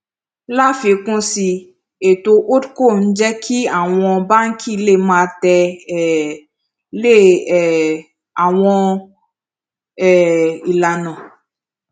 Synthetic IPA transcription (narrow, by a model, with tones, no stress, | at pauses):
la˦fi˨˦kũ˦si˧ | e˨to˧ʔo˦dko˦˨n̩˦d͡ʒɛ˦kʰi˦a˦˨w̃ɔ̃˧ba˦ŋ̩˦kʰi˦˧˦le˦˨mãː˦˧tɛ˧˨ | le˦˨ | a˨w̃ɔ̃˧ | ɛ˦˨i˨la˨nɔ̃˨